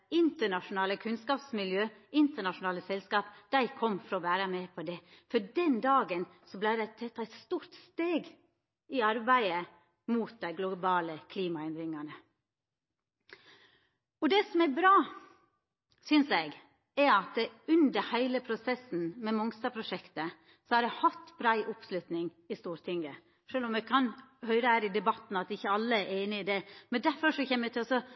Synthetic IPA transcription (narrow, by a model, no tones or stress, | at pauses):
ɪnt̪əɳɑʂʊnɑːləkʰʉnskɑːpsmɪljøːɪnt̪əɳɑʂʊnɑːləsɛlskɑːpd̪̥æɪkʰɔmːfɔɾɔʋæːɾəmɛpʰɔd̪ɛfɔɖɛnd̪ɑːɡən | sɔblæɪd̪æɪt̪ʰɛt̪ːɑæɪt̪st̪uːɾt̪st̪eːɡ | ɪɑɾbæɪə | muːt̪̚d̪æɪɡlʊbɑːləkʰliːmɑɛnd̪ɾɪŋɑnə | ɔd̪ɛsɔmɛɾbɾɑː | sʏnsɛɡ | ɛɾɑt̪ʉnd̪əɾhæɪləpʰɾʊsɛsn̩mɛmɔŋst̪ɑpʰɾʊʂɛkt̪ə | sɔhɑɾɛhɑt̪ːb̥ɾæɪʔʊpslʉt̪nɪŋ | ɪst̪uːɾt̪ʰɪŋɡə | ʂøːlɔmɛkʰɑnhœʏɾəhæːɾɪd̪ɛbɑt̪ːn̩ɑt̪ɪçːəɑlːəɾʔeɪnɪɪd̪ɛmɛnd̪æɾfɔʂɔçɛːməmɛɪt̪ʰɪlɔsɔ